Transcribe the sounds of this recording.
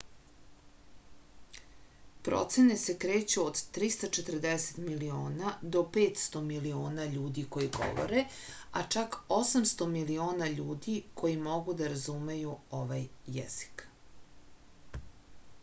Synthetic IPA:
pɾo̰t̪se̞ne̞se̞kɾe̞ːt͡ɕuod̪t̪ɾist̪at͡ʃet̪r̩d̪ese̥t̪milio̞ːnad̪o̞peːt̪st̪o̞milioːnaʎuːd̪iko̞jiɡo̞̰ʋo̰ɾe | a̰t͡ʂako̞samst̪o̞milio̞ːnaʎuːd̪ikʰo̞jimo̞ɡud̪aɾazume̞juo̞ʋajːḛz̥i̥k

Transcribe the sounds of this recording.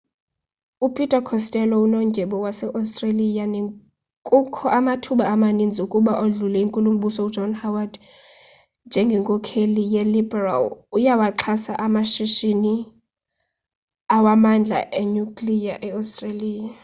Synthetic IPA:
upʰʼitʼakʰɔstʼɛlɔunɔŋɡʱɛɓɔwasɛʔastʼralijane | kʼukʰɔʔamatʰuɓaːmanind͡zʱiukʼuɓaʔoɮulɛiŋkʼulum̩ɓusɔu̥d͡ʒɔnhawad | nd͡ʒʱɛŋɡʱɛŋkʼɔkʰelijɛlibɛra̰lujawaǁʰasaʔamaʃiʃini | awamand͡ɮʱa̰ʔeɲukʼlijaʔɛastʼreliːja

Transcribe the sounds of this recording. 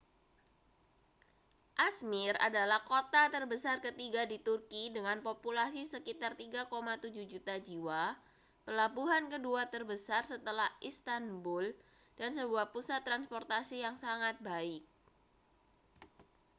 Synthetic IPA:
ʔasmɪra̰dalahkot̪at̪ərbəsarkət̪iɡadit̪urkidəŋanpopulasisəkit̪art̪iɡakomat̪ud͡ʒuhd͡ʒut̪ad͡ʒiwa | pəlabuɦankəduat̪ərbəsarsət̪əlahʔist̪anbʊl | d̥ansəbuahpusat̪ːɾanspɔrt̪asijaŋsaŋat̪̚baɪk̚

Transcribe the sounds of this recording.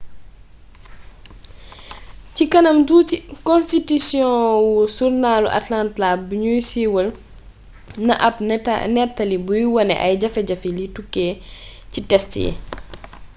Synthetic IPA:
cikɐnɐmduːcikɔ̃nstitisjɔ̃wusurnaːlṵʔɐ̰tlantlabiɲujsiwɐl | nɐʔɐpnɛtːɐlibujwɐnɛ̰ʔɐjɟɐfɛɟɐfilitukːɛːcitɛstḭː

